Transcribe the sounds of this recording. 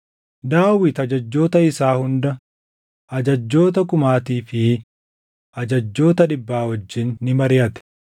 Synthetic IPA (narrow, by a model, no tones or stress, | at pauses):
d̪aːwɪt̪ɐd͡ʒɐd͡ʒːo̞ːt̪ɐɪsaːhʊnd̪ɐ | ʔɐd͡ʒɐd͡ʒːo̞ːt̪̬ɐkʊmaːt̪iːfɪ | ʔɐd͡ʒɐd͡ʒːo̞ːt̪ɐᶑɪbːaːwɐd͡ʒːɪnːɪmɐɾɪɐt̪ɛ̥